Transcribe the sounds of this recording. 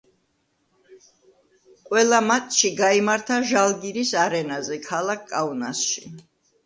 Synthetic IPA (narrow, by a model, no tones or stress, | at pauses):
qʼwɛlˠamat̪ʼʃiɡaimaɾt̪ʰaʒalˠɡiɾisaɾɛnazɛkʰalˠak̚ʰkʼːauna̰sʃi